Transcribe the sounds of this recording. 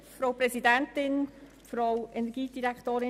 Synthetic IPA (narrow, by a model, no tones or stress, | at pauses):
fɾowpɾɛsidɛntɪn | fɾowɛnɛɾɡ̥iːd̥iɾɛkʰtoːɾɪ